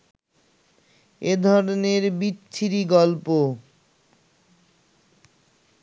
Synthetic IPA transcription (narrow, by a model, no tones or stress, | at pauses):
ed̪ʱɔɾoneɾbit̪ʰːiɾiɡɔlpo